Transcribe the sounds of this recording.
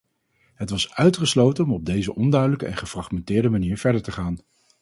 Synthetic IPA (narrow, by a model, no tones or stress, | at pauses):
ɦətʋɑsœɥtχəslowtənɔmɔb̚dejzəʔɔndœɥdələkəɛ̰nχəfrɑχmɛntɪːɹdəmaniːɹv̥ɛɹdəɹtəχaːn